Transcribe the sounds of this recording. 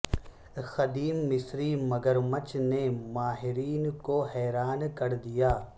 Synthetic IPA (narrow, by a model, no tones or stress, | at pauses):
xɐd̪iːmːɪsɾimɐɡəɾmət͡ʃnemaːɦɪɾiːnkoɦɛːɾaːnkɐɾd̪ijaː